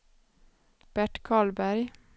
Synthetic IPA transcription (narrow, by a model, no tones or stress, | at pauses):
b̥æʈkʰɑːɭbæɾ